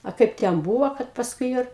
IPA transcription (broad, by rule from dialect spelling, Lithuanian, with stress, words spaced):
ɐ ˈkɐɪp tʲɛn ˈbuːʋoː kɐt pɐsˈkʊɪ joː ɪr